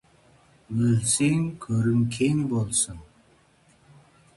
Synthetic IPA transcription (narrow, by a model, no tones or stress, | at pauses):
wɵlseŋkʲʰɵɾɪŋkʲʰeŋbolˠsɨn